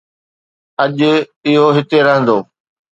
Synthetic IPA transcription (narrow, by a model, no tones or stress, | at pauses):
ɐʄɪɦoɦɪt̪eɾɐɦə̃nd̪oː